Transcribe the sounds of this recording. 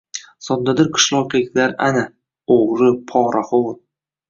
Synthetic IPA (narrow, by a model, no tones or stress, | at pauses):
sɒnd̪ad̪ɪɾqʰɨ̥ʃlˠɒqlɪkʲlaɾana | oʁɾɨpʰɒːɾʔaχoɾ